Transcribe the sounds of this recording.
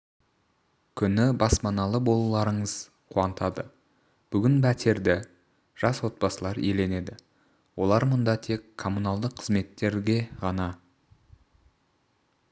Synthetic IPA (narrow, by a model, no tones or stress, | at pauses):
kʲʰʏnɪbɑspɑnɑlˠəbo̞lˠɑlˠɑɾəɴəz̥ | qʰuɑnt̪ʰɑd̪ə | b̥ʏɡʲɪnbæt̪ʰe̞ɾd̪ɪ | ʒ̥ɑswo̞t̪̚pɑsəlˠɑɾele̞ne̞d̪ɪ | wo̞lˠɑɾmʊnd̪ɑt̪ʰe̞kʰːo̞mːunɑlˠd̪əqʰːəzme̞t̪ːe̞ɾɡʲe̞ʁɑnɑ